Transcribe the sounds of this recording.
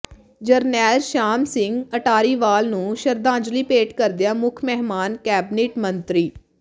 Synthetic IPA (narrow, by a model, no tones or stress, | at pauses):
d͡ʒəɾnɛːlʃaːmsɪŋɡəʈaːɾiːʋaːlnũːʃəɾd̪ãːd͡ʒliːpeːʈkəɾd̪ejaːmʊkʰmɛːɦmaːnkɛːbɪneːʈmənt̪ɾiː